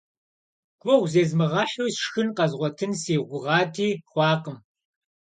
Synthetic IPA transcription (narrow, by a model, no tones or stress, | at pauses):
ɡ̥ʷʼɔwʷzeːzmɨʁɑːħusʂxɨnqɐzʁʷɔtʰɨnsiːʁʷʊʁɑːtʰiːχʷɑːqəm